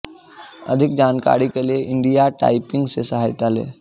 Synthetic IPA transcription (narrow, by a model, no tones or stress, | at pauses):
ə̰d̪ʱɪk̚d͡ʒaːnka̰ːɾikelieʔɪ̃ɳɖijaʈa̰ːɪpɪ̃ŋɡsesəɦaːjt̪alḛː